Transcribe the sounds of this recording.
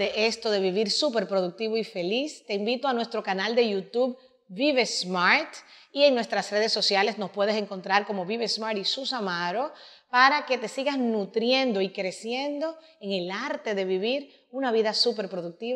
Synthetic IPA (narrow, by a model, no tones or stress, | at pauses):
eʔe̞st̪o̞ðe̞βiβiɾsupe̞ɾpɾo̞ðuk̚t̪iβo̞ife̞list̪e̞imbit̪oanwe̞st̪ɾo̞kanald̪e̞ʝut̪uβ | biβesmaɾt̪ie̞ŋnwe̞st̪ɾasre̞ðe̞sːo̞sjale̞sno̞spwe̞ð̞e̞seŋko̞nt̪ɾaɾko̞mo̞βiβesmaɾisusamaɾo̞ | paɾake̞t̪esiɣasnut̪ɾje̞nd̪o̞ikɾe̞sje̞nd̪o̞ | eŋe̞laɾt̪e̞ðe̞βiβiɾ | unaβiðasupe̞ɾpɾo̞ðuk̚t̪iβ